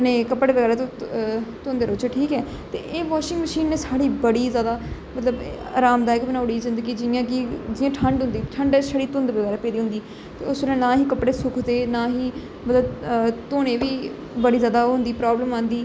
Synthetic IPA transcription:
nẽːkəpɽeːʋəɡɛːɾaːt̪ː | t̪ʊnd̪eːɾoːt͡ʃːʈʰiːkɛː | t̪ḛːʔeːʋaːʃɪ̃ŋɡməʃiːnːeːsaːɽiːbəɽiːzjaːd̪aːmət̪ləba̰ːɾaːmd̪aːɪkbənaːʊɽiːzɪ̃nd̪əɡiːd͡ʒɪjãːkɪd͡ʒɪjãːʈʰəɳɖɦʊ̃nd̪iːʈʰəɳɖɛʃəɽiːt̪ʊ̃nd̪bəɡɛːɾaːpeːd̪iːɦʊ̃nd̪iː | t̪eːʊsbelãːnãːɦiːkəpɽeːsʊkʰd̪eːnãːɦiː | mət̪ləbt̪oːɽ̃ẽːʋiː | bəɽiːzjaːd̪aːɦʊ̃nd̪iːpɾaːbləmãːnd̪iː

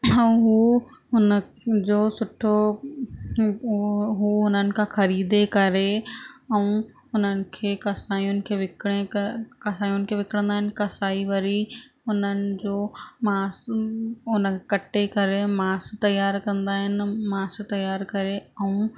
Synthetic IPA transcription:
ɛũɦuːɦʊnə | d͡ʑoːsʊʈʰo | ɦuɦʊnənɪ̆kʰãːxɐɾiːd̪ekɐɾeɛũ | ʊn̤ənɪ̆kʰeːkɐsaːĩʊnɪ̆kʰeːʋɪkɽekɐsaːĩjʊnɪ̆kʰeːʋɪkɽ̃ə̃nd̪aːɦɪnɪkɐsaːiʋɐɾi | ʊnənɪ̆d͡ʑoːmaːs | ʊnəkʰːkɐʈekɐɾemaːst̪ɐjaːɾkɐ̃nd̪aːɦɪnɪ̆maːst̪ɐjaːɾkɐɾeɛ̃ũ

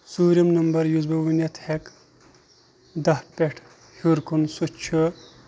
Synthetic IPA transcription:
suːɾimnɐmbɐɾjuzbɐʋunɐt̪ʰhek | d̪ɐhpʲeʈʰ | huɾkʰunsut͡ʃʰɨ

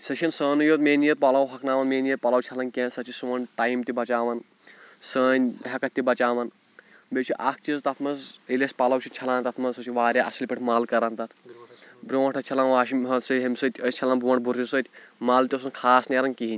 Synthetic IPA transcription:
sɐt͡ʃʰinsəːnujoːt̪meːnijɐt̪̚pɐlɐwɦɐkʰnaːʋɐnmeːnijɐt̪̚pɐlɐwt͡ʃʰɐlɐnkʲeːnsɐt͡ʃʰisuʋɐnʈaːjmt̪ibɐt͡ʃaːʋɐn | səːnʲɦɐkɐt̪̚ʲːibɐt͡ʃaːʋɐn | bet͡ʃʰiʔak̚ʰt͡ʃizt̪ɐt̪ʰmɐzilespɐlɐwt͡ʃʰint͡ʃʰɐlaːnt̪ɐt̪ʰmɐzsɐt͡ʃʰiʋaːɾʲjaːʔɐsilʲpiʈʰmaːlkɐɾant̪ɐt̪ʰbɾoːɐʈʰɐt͡ʃʰɐlanʋaːʃimɐsɐɦemʲsɐt̪ʲʰəst͡ʃʰɐlaːnbʱuʋɐɳbʱuɾisəːt̪ʰʲmaːlt̪ʲiɐs̬unkʰaːsneːɾɐnkiɦinʲ

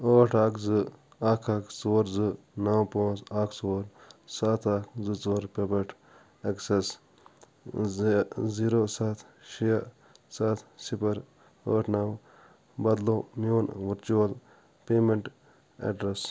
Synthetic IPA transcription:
əːʈʰaːkzɨ | aːkʰaːkʰt͡soɾzɨ | nawpoːzaːkʰt͡soɾsaːt̪ʰaːkzɨt͡sɐɾpepɐʈʰ | ekses | ziːɾosat̪ʰ | ʃija | sat̪sipɐɾ | əːʈʰnaw | bɐd̪lomijoːnʋuɾt͡ʃoːl | peːmeɳʈ | ḛɖɾes

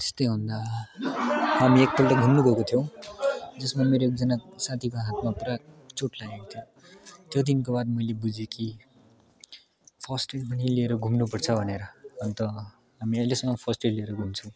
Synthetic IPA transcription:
t̪e̥st̪ʌjɦund̪a | ɦamiek̚p̪ʰolʈʌɡʱumnubʱʌkot̪ʰijõw̃d͡zʌsmameɾoek̚d͡zʌnasat̪ʰikoɦat̪maprat͡soʈlaekot̪ʰijo | t̪jʌd̪inkobad̪̚mʌjlebud͡ziki | pʰʌsʈelpʌnilieɾʌɡʱumnupʌrt͡sʰʌbʱʌneɾʌʌnt̪ʌ | ɦamiʌjlesʌŋːʌpʰʌsʈellieɾʌɡʱumt͡sʰũw̃

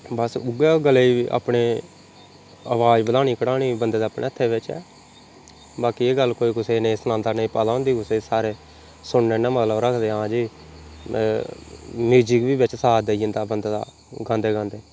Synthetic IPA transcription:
bəsʊɡɛːɡəleːiʔa̰ːpɳeː | əʋaːd͡ʒbəd̪aːɳiːkəɽaːniːbənd̪eːd̪aːpɳḛːət̪ʰːeːʋɪt͡ʃɛ̰ː | baːkiːeːɡəlːkoːiːkʊseːnẽːsnãːnd̪aːnəĩːpaːlaːɦʊ̃ːnd̪iːkʊseːsaːɾeː | sʊɽneːnãːmət̪ləbɾəkʰd̪eːãːd͡ʒiː | miːd͡ʒiːkʋiːbɪt͡ʃsaːd̪eiənd̪aːbənd̪ːd̪a̰ː | ɡãːnd̪eːɡãːnd̪eː

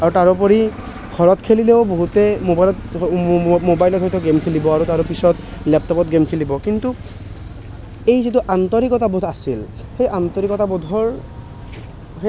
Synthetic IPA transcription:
aɹutaɹɔpɔɹi | ɡʰʱɔɹɔtkʰelileʊboɦutɛmoblɔt | mobajlɔtɦɔjtɔɡemkʰelibɔaɹutaɹɔpisɔtlɛp̚tɔpɔtɡemkʰelibɔkintu | ejzitʊʔantɔɹikɔtabod̪ʱasil | xejʔantɔɹikɔtabɔdʱɔɹ | ɦɛ

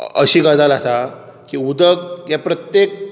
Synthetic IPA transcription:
ə̰ɕiːɡad͡zalasa | kiud̪əɡ̚japɾət̪jek̚

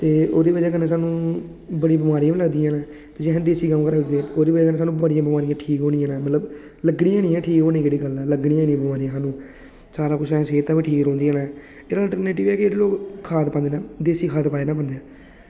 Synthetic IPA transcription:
t̪eːoːɾiːbəd͡ʒɛːkəneːsaːnũː | bəɽibəmaːɾiːãːm̃ːləɡd̪iãːnãː | t̪eːd͡ʒɪɦãːd̪eːsiːkəmkəɾɡ̪eːt̪ːoːɾiːbəd͡ʒɛːkəneːs̬aːnũːbəɽɪjãːbəmaːɾijãːʈʰiːkɦoːniːãːnãːmət̪ləb | ləɡɽiːãːnĩːɛːʈʰiːkɦoːnĩːkeːɽiːɡəlɛːləɡɽiːãːnĩːbəmaːɾiːɛ̃ːsaːnũː | saːɾaːkʊt͡ʃʰãːseːt̪ːãːʋĩːʈʰiːkõːnd̪iːaːnãː | eːɾəlʈəɾneːʈɪʋɛːkɪeːɽeːloːkkʰːaːt̪pãnd̪eːnãːd̪eːsiːkʰaːt̪paːeːnaːpənd̪eɛː

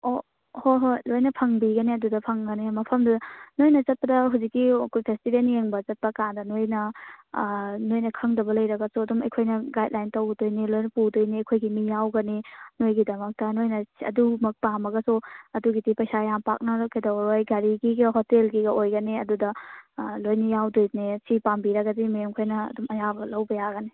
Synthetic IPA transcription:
o | hoɦojlojnɐpʰɐŋbiɡɐneɐdudɐpʰɐŋɡɐnemɐpʰɐmdɐnojnɐt͡ʃɐt̚pɐdɐɦuzikːikupʰestibenjeŋbɐt͡ʃɐt̚pɐkandɐnojnɐ | nojnɐkʰɐŋdɐbɐlɐjɾɐɡɐsuɐdumɐ̰jkʰojnɐɡajd̚lajntɐwɡɐtojnilojnɐpudojniɐjkʰojɡimijawɡɐninojɡidɐmɐk̚tɐnojnɐɐ̰dumɐk̚pamɐɡɐsuɐduɡidipɐjsajampa̰k̚nɐkʰajdawɾojɡɐɾiɡiɡɐɦotelɡiɡɐʔojɡɐniɐdudɐlojnijawdojnesipambiɾɐɡɐdimiemkʰojnɐ̰ːdumɐjabɐlɐwbɐjaɡɐni

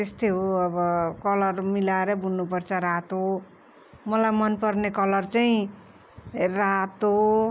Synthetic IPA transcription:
t̪est̪eɦoʌbʌkʌlʌrmilaeɾʌbʱunːupʌrt͡sʰʌɾat̪o | mʌlajmʌnpʌrnekʌlʌrt͡saĩ | raɦt̪o

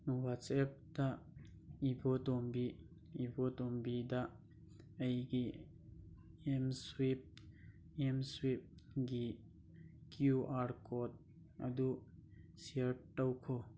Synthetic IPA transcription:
nuwatsɛp̚da | ibotombi | ibotombida | əjɡi | emswip̚ | ɛmswip̚ɡi | kjuʔaɾkɔt̚ | ɐ̰d̪usiəɾʈəwkʰo

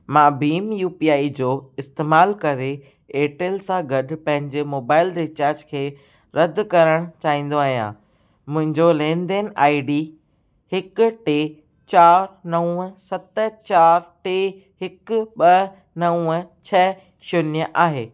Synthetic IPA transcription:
mãːbiːmjuːpiaːid͡ʑoːɪst̪eːmaːlkɐɾe | eːʈeːlsãɡɐɗʊ̆pɐ̃ɦɪ̃ɲd͡ʑemoːbaːɪlɾɪt͡ɕaːɾd͡ʑkʰeː | ɾɐd̪kɐɾəɽ̃t͡ɕaːĩːn̆d̪oaːɦijã̰ | mʊ̃ɦɪ̃ɲd͡ʑolẽːnɖ̪enaːiɖi | hɪkʊ̆ʈeː | t͡ɕaːɾnɐũəsɐt̪t͡ɕaːɾʈeː | hɪkʊɓɐ | nɐũət͡ɕʰɐ | ʃʰonjəʔaːɦeː

